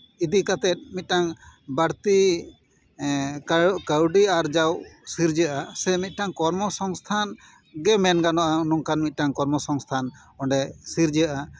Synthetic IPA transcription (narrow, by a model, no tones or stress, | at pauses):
id̪ikat̪ɛt̪̚mit̪̚ˀʈaŋbaɽt̪i | kəwɖiaɾd͡ʒawsiɾd͡ʒəʔasɛmit̪̚ˀʈaŋkɔɾmɔsɔŋst̪ʰan | ɡɛmɛnɡanɔʔaunuŋkanmit̪̚ˀʈaŋkɔɾmɔsɔŋst̪ʰan | ɔɳɖɛsiɾd͡ʒəʔa